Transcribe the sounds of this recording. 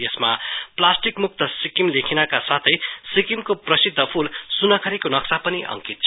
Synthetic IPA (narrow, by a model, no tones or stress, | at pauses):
jesmaplasʈikmuk̚t̪ʌsikimlekʰinakasat̪ʰʌjsikimkoprʌsid̪ʱːʌpʰulsunʌkʰʌɾikonʌksapʌniʔʌ̰ŋkit̪̚t͡sʰ